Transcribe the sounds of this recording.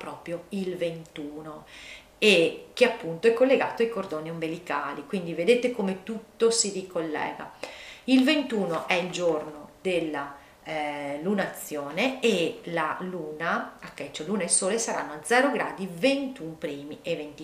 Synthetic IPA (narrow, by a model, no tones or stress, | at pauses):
pɾɔːpɾjoilvent̪uːno | ek̟eapːunt̪oɛkːolːeɡaːt̪oajkord̪oːniombelika̰ːlikwind̪ived̪eːt̪ekomet̪ut̪ːosiɾikolːɛ̰ːɡa̰ilvent̪uːnoʔɛild͡ʒornod̪elːa | lunaːt̪sːjoːneelaluːnaakːɛt͡ʃːoluːnailsoːlesaɾanːoad̪zɛːɾoɡɾa̰ːd̪ivent̪umpɾiːmiʔevent̪i